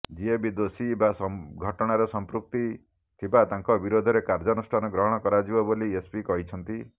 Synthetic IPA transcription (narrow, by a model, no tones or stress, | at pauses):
d͡ʒiebid̪osibasɔɡʱɔʈɔɽ̃aɾɔsɔmpɾuk̚t̪i | t̪ʰibat̪aŋkɔbiɾod̪ʱɔɾekaɾd͡ʒɔnusʈʰanɔɡɾɔɦɔɽ̃ɔkɔɾad͡ʒibɔboliespikɔɦit͡ʃʰɔnt̪i